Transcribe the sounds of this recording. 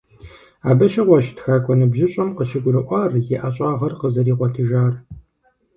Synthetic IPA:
aːbɐʃɐʁʷɔʃtxaːkʷʼɔnɨbʒɪɕʼɐmqəʃɪɡʷʼʊrɨʔʷɐrjɛʔɐɕʼɑːʁɐrqəzɐɾiːqʷɔtʰɨʒaːr

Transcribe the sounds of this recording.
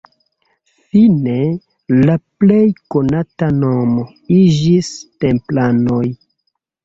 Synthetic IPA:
fine̞ | laple̞jko̞natano̞mo̞ | id͡ʒiste̞mplano̞j

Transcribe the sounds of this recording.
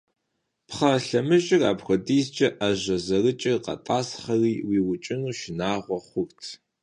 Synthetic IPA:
pχɐɬɐmɨʒɪraːpxʷɔdiːzt͡ʃʼɐʔaʑɐzɐrɨt͡ʃʼɪrqɐ̰tʼaːsχɐriːwiːwʊt͡ʃʼɪnuːʃɪnaːʁʷɔχʷʊrtʰ

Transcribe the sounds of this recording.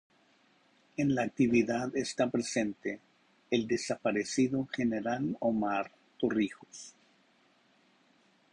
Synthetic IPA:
e̞nlaːk̚t̪iβiðaðest̪apɾese̞nt̪e̞ː | ld̪e̞sapaɾesiðoxe̞ne̞ɾalomaɾ | t̪orixos

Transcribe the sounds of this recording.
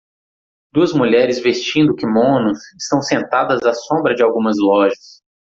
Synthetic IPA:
d̪uɐzmuʎɛɾɪzvest͡ʃĩnd̪ʊkɪmõnʊsɪ̥st̪ɐ̃w̃sẽnt̪ad̪ɐzasõmbɾɐd͡ʒɪawɡũmɐzlɔʒɐs

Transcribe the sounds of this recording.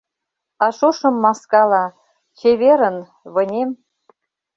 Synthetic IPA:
ɑʃoʃɤ̆mːɑskɑlɑ | xʲeβʲeɾə̆n | βɤ̆nʲem

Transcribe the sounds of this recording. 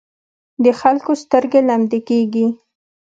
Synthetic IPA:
d̪əxalkost̪əɾɡelamd̪ekeɡi

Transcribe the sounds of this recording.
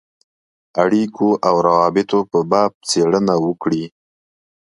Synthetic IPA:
aɽikʰoʔawɾawɑbɪt̪opəbɑb̚t͡seɽənawəkɽi

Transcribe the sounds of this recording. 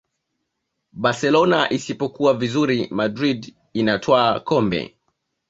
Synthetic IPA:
basɛlɔnaʔisipɔkuwavizuɾimadɾid | inatʰwaːkɔmbɛ̰

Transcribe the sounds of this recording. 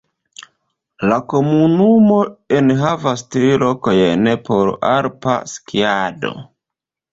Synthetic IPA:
lako̞munumo̞e̞nɦavastɾilo̞kojene̞pʰo̞ɾa̰ɾpa̰skiado̞̰

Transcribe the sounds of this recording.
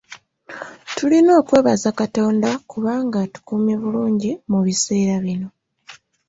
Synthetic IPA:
tulino̞ːkwe̞ːβazakato̞ːndakuβaːŋɡatu̥kuːmje̞βuluːɲɟimuβise̞ːɾaβino̞

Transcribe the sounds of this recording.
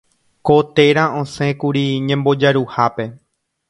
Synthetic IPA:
kot̪e̞ɾãõsẽ̞kuɾiɲẽmbo̞d͡ʒaɾuhape̞

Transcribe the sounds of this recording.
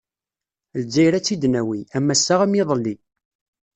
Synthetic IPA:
ld͡ʒːæjɾæt͡sːid̪næwiæmːæsːaʁæmjiðˤəlːi

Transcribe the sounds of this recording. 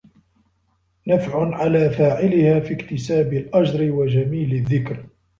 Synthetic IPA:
nafʕʊnʕalaːfaːʕɪlɪhaːfiːkt̪ɪsaːbɪlʔɑʒɾɪwad͡ʒamiːlɪðːɪkɾ

